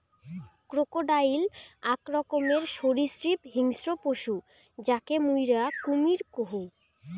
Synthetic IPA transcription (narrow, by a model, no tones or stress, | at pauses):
kɾokoɖajlakɾɔkomeɾʃoɾisɾipɦiŋsɾopoʃu | d͡ʑakemujɾakumiɾkoɦo